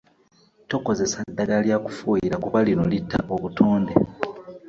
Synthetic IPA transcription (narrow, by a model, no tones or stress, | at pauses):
to̞ko̞ze̞sadːaɡaljaːku̥fuːjiɾakuβalinolitːa̰ʔoβutʰoːndḛ